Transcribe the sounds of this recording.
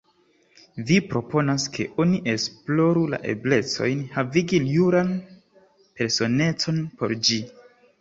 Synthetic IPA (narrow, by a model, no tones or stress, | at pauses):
vipɾo̞po̞naskʰe̞̰ʔo̞niʔe̞splo̞ɾula̰ʔe̞̰ble̞t͡so̞̰jnhaviɡiljuɾan | pe̞ɾso̞ne̞t͡so̞npo̞ɾd͡ʒi